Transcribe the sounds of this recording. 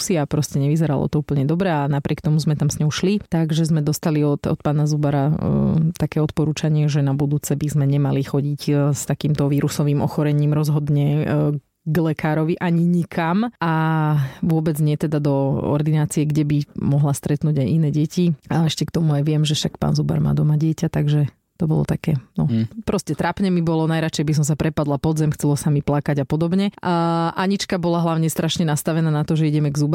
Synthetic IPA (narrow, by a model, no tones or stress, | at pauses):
siapɾɔscɛɲɛʋizɛɾalɔ̰t̪ɔuːpl̩ɲɛd̪ɔbɾɛanapɾʲʔɪɛk̚t̪ɔmuzmɛt̪amsɲɔɦʊʃlit̪aɡʒɛzmɛd̪ɔst̪aliɔt̪ɔ̰t̪̚paːnazubaɾat̪akɛːɔt̪pɔɾuːt͡ʃaɲɪɛʒɛnabud̪uːt͡sɛbizmɛɲɛmalixɔɟicst̪akiːmt̪ɔʋiːɾusɔʋiːmʔɔ̰xɔɾɛɲiːmɾɔzɦɔd̪ɲɛ | ɡlɛkaːɾɔʋiʔaɲiɲikʰamʔa | ʋʊɔbɛd͡zɲɪɛt̪ɛd̪ad̪ɔɔ̰ɾd̪inaːt͡siɛɡɟɛbimɔɦlast̪ɾɛt̪nuːɟajinɛːɟɛcʰiaɛʃcɛkt̪ɔmuajʋɪɛmʒɛʃakpa̰ːnzuba̰ɾma̰ːd̪ɔmaɟɪɛcat̪aɡʒɛ | t̪ɔbɔ̰lɔ̰t̪akɛːnɔpɾɔscɛt̪ɾapɲɛmibɔlɔnajɾat͡ʃɛjbis̬ɔms̬apɾɛpad̪lapɔd̪zɛmxt͡sɛlɔsamiplakaɟapɔd̪ɔbɲɛʔaɲit͡ʃkabɔlaɦlaʊɲɛst̪ɾʔaʃɲɛnast̪aʋɛnaːnat̪ɔʒɛiɟɛmɛɡzub